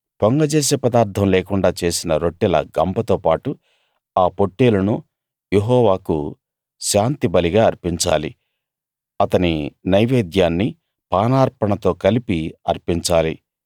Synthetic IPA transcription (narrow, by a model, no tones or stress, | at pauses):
poŋɡɐd͡ʒeːs̬eːpɐd̪aːɾt̪ʰɐmleːkuɳɖaːt͡ʃe̞ːsinɐɾoʈːɛlɐ̰ɡɐmpɐt̪oːpaːʈu | aːpo̞ʈːeːlɐnu | jeɦɔːʋaːku | ʃaːnt̪ibɐliɡaːɐɾpiɲt͡ʃa̰ːlḭ | ɐt̪ɐninɐjʋeːd̪jaːnːi | paːnaːɾpɐɳɐt̪o̞ːkɐlipiɐɾpiɲt͡ʃaːli